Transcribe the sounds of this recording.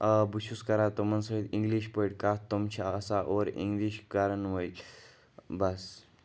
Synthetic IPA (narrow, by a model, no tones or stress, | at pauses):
buɕuskəɾat̪omənsəit̪iŋɡliɕpəjʈkat̪omt͡ɕʰaəsaʔoɾḭŋɡliɕkaɾənʋəjl | bəs